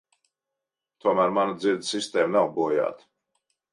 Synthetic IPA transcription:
t̪uɔmæːɾmanad̪ziɾd̪sist̪eːmnawbuɔja̰ːt̪

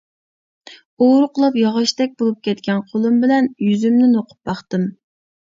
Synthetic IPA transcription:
oɾqəlˠupjɑʁɑʃt̪ɛk̚ʲbolˠup̚kʲʰɛt̪̚kʲɛnqʰolˠumbɪlɛnjyzymnɪnoqʰʊ̥p̚bɑχt̪ɨm

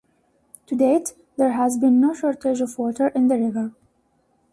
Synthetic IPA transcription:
tʰudet | ðəɹɦæzbĩnːoʃɔɹtʰed͡ʒɔvwɔtʰəɹʔɪ̃nd̪əɹɪvə˞

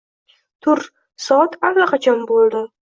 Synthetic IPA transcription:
t̪ʰʊɾ | sɒt̪ʰalːaqʰɑt͡ʃʰɒnbolˠd̪ɪ

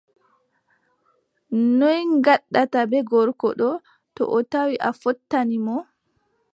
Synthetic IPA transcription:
nɔjŋɡaɗːatabɛɡɔɾkɔɗɔ | tɔ̰ʔɔtawiʔafɔtːanimɔ

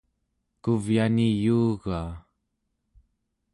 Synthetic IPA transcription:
kuvjanijuːɣaː

